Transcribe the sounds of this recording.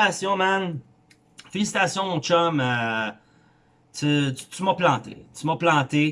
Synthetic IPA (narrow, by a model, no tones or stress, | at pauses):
asjɔ̃man | felis̬i̥t̪asjɔ̃mɔ̃t͡ʃɔmø | t̪y̥t̪ymɔplɑ̃t̪ḛt̪ymɔplɑ̃ːt̪e